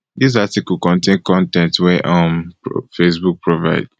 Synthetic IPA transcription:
dis̬atiklkɔ̃ntẽnkɔ̃ntɛ̃ntwɛʔʌ̃mpfesbuk̚pʰɹova̰ɪd̥

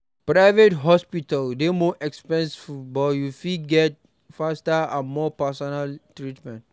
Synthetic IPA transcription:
pɹaɪvetɦɔspitəldemɔʔɛkspɛ̃nsfubɔjufiɡɛt̚ | fastəãnmɔpasɔnaltɹitmɛ̃nt

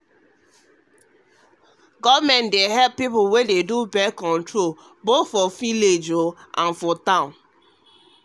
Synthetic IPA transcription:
ɡɔvmɛ̃ndeɦɛlpːipuwededubɛkɔ̃ntɹo | botfɔfiled͡ʒoʔãnfɔtãʊ̃n

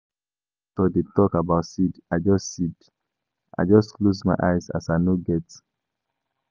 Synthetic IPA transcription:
tɔdetɔkabaʊtsidaɪd͡ʒɔstsid | ʔa̰jd͡ʒʌstklozmaɪʔaɪza̰sanoɡɛts

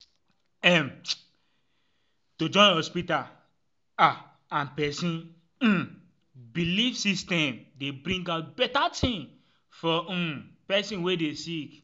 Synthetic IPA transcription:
ɛm | tod͡ʒɔ̃nhɔspital | a | ãnpɛsĩn̩ | bilifsistɛ̃mdebɾĩŋɡaʊt̚bɛtatʰĩn | fɔ̃pɛsĩnwedesik

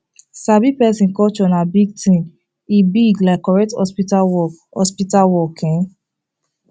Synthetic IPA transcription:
sabipɛsĩnkɔt͡ʃɔnãbiɡtĩn | ibiɡlakɔɹɛk̚tɔspitawɔ | ɔ̰spitawɔkʰɛ̃

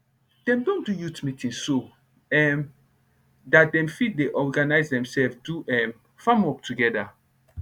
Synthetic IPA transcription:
d̥ɛ̃mdõndujutmĩtĩnso | ɛm | dat̚dɛ̃mfit̚deʔɔɡanaɪzdɛ̃msɛlfduɛm | fãmɔp̚tʰuɡɛda

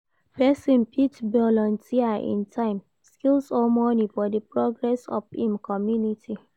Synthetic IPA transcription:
pɛsɔ̃npʰitbɔlɔ̃ntʰiaḭ̃ntʰãɪ̃m | skilsɔmɔnifɔdəpɹɔɡɹɛsɔ̰fĩmkʰɔmjunitʰi

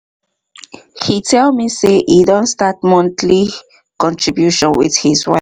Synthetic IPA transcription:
hitelmiseʔiðonst̪at̪mõnt̪li | kõnt̪ɾibjuʃõnwḭðhiswa

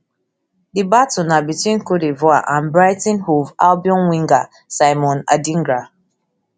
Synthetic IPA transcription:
dibatʊnabitwĩnkodivɔaʔãnbɾaɪtĩnhuvalbiɔ̃nwĩŋɡa | saɪmɔ̃na̰dĩŋɡɾa

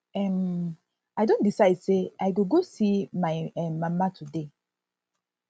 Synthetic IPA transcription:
ɛm | aɪdõntdisaɪdseaɪɡoɡosimaɪɛmãmatʰude

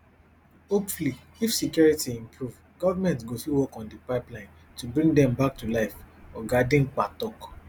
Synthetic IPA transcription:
opfli | ifsikjɔɹitiĩmpʰɹuv | ɡ̥ɔvamɛ̃ntɡosiwɔkɔ̃ndipaɪplãɪ̃n | tubɹĩŋɡdɛ̃mbak̚tulaɪfɔɡadĩŋk͡patɔk

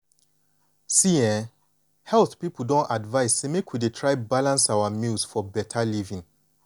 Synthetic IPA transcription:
siɛ̃ | hɛlθpipl̩dɔ̃ntadvaɪsːemekwidetʰɹaɪbalãnsawamilsfɔbɛtʰalivĩŋ

